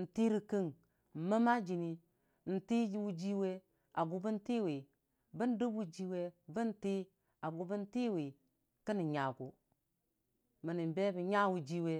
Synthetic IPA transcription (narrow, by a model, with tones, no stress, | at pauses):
n̩˨ti˦ɾi˦kə˦ŋ | m̩˨mə˦ma˦d͡ʒi˨ni˨ | n̩˨ti˦d͡ʒi˦wu˦d͡ʒi˦we˦ | a˨ɡu˨bə˦n˦ti˦wi˨ | bə˦n˦du˦bu˦d͡ʒi˦we˦bə˦n˦ti˦ | a˨ɡu˨bə˦n˦ti˦˨wi˨ | kə˦ni˨ɲa˨ɡu˨ | mə˨ni˨m˨be˦bi˨ɲa˦wu˨d͡ʒi˦we˦